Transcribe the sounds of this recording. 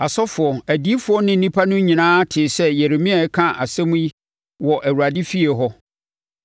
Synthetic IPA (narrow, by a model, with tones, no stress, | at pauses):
a˨sɔ˦fʊ˨ɔ˨æ˨di˨˦fʊ˦ɔ˦nɪ̃˦n̩˦nĩ˦pʰa˦nʊ̃˦ɲĩ˨nãː˦tʰɪ˨sɛ˦jɛ˨ɾe˨mĩ˦a˨˦kʰã˦ʔa̰˨sɛ̃˦m̃˦i˦ | wɔ˨ʔæ˨wu˨ɾa˨dɪ˦fi˦e˨ɦɔ˦